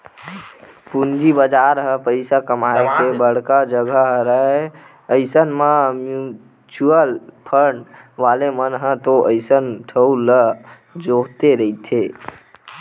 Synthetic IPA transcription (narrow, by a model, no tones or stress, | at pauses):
pund͡ʒibəd͡ʒaɾɦə̃pəɪsakəmaekebəɽ̤kad͡ʒəɡʱəɦɾəe | əɪsənməmju | t͡ʃuəlpʰəɳʋalemənɦə̃t̪oʔəɪsənʈʰəulə | d͡ʒoɦt̪eɾəit̪ʰe